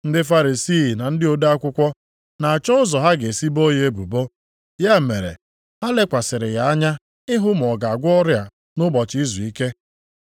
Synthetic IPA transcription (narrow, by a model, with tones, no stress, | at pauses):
n̩˦dɪ˦fa˦ɾi˨siː˦˨na˨n̩˦dɪ˦o˨da˦a˦kʷʊ˦kʷɔ˦ | na˨a˨t͡ʃɔ˦ʊ˦zɔ˨ɦa˦ɡe˨si˦bo˦ɲe˦bṵ˨bo˦ | ja˦˨me˨ɾḛ˨ | ha˦le˦kʷa˨sɪ˨ɾɪ̰˨ja˨a˦ɲa˦ | ɪ˦ɦʊ˦m̩˨ɔ˨ɡa˨a˨ɡʷɔ˦ɾja˨ | nʊ˦bɔ˨t͡ʃɪ˦i˦zu˨i˦ke˦